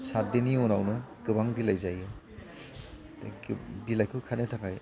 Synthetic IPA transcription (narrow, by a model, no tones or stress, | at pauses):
sat̚diniunawnɯkɯβaŋbilajzajɯ | bilajkʰɯkʰanetʰakʰaj